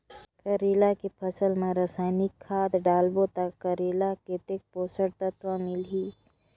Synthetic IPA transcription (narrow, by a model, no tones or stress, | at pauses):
kəɾiːlakepʰəsəlmẽɾasaːɪnɪkʰːaːd̪ɖaːlbot̪ɐkːəɾiːlaket̪ek̚poːsəɾt̪ət̪ʋamɪlɦiː